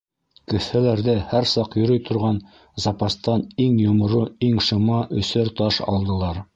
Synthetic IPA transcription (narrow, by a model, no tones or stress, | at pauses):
kɘ̆θhælæɾðɘhæɾsɑqjɵ̆ɾɤjt̪ʰŏɾʁɑn | zɑpɑst̪ɑniŋjŏmɤ̆ɾuiŋʃɤ̆mɑʔɵ̆sɘɾt̪ɑʃɑ̰lˠd̪ɤ̆lˠɑɾ